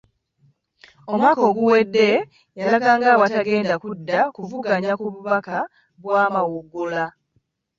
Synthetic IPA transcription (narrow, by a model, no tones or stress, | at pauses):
o̞mwaːko̞ɡuwe̞dːe̞ | jalakaːŋɡaːwataɡe̞ːndakudːakuvuɡaɲakuβuβaka | βwaːmawuɡula